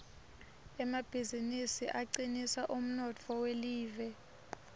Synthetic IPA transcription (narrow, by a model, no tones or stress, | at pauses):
ɛmab̥ʱizinisiʔaǀinisaʔum̩nɔt͡fʰɔweliːvɛ